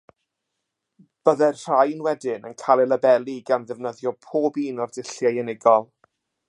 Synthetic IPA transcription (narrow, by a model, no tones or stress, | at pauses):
b̥əðɛrr̥ajnwɛdɪnə̰nkʰalˠɛlˠəbɛlˠiɡanðɛvnəðjɔpʰoːbiːnɔrdɪɬjajɛnɪɡɔlˠ